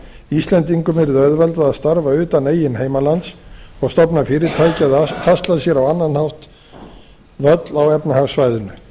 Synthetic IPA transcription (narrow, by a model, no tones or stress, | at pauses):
ist̪lɛnt̪iŋkʏmɛɾɪðœðvɛlt̪aðaðst̪aɾvaʏːt̪aneːjɪnɦeːjmalant̪sɔɣst̪ɔpnafɪːɾɪɾt̪ʰaːjcɪaðhast̪lasjɛɾawanːanhawht̪ | vœt̪lawɛpnahaɣsvajðʏnʏ